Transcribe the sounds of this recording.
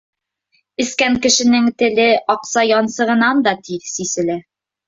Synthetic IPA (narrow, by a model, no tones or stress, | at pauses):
ɘ̆skæŋkɘ̆ʃɘ̆nɘŋt̪ɘ̆lɘɒqsɑjɒnsɤ̆ʁɤ̆nɑnd̪ɒt̪iɾsisɘ̆lɘ